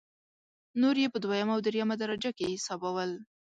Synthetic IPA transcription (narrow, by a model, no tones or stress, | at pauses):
noɾjepəd̪wajamaːwd̪ɾjamad̪aɾad͡ʒakehɪsɑbawəl